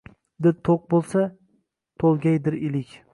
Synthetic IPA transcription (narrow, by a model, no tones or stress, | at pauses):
d̪ɪɾt̪ʰoq̚bolˠsa | t̪ʰolˠɡʲajd̪ɪɾɪlɪkʲ